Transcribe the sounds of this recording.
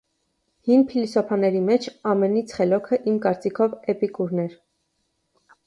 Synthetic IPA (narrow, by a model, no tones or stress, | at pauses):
hinpʰilisɔpʰɑnɛɾimɛt͡ʃʰɑmɛnit͡sʰχɛlɔkʰəʔimkɑɾt͡sikʰɔvɛpikuɾnɛɾ